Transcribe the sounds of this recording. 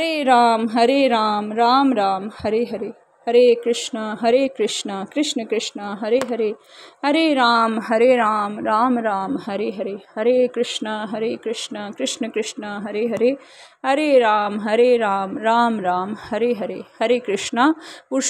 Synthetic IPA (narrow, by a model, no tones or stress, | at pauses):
ɾeːɾaːmɦɐɾeːɾaːmɾaːmɾaːmhɐɾeːɦɐɾeː | hɐɾeːkɾɪʂɳɐɦɐɾeːkɾɪʂɳɐkɾɪʂɳɐkɾɪʂɳɐɦɐɾeːɦɐɾeːɦɐɾeːɾaːmɦɐɾeːɾaːmɾaːmɾaːmɦɐɾeɦɐɾeːhɐɾeːkɾɪʂɳɐɦɐɾeːkɾɪʂɳɐkɾɪʂɳɐkɾɪʂɳɐɦɐɾeːɦɐɾeː | ɦɐɾeːɾaːmɦɐɾeːɾaːmɾaːmɾaːmhɐɾeɦɐɾeːhɐɾeːkɾɪʂɳɐuɾ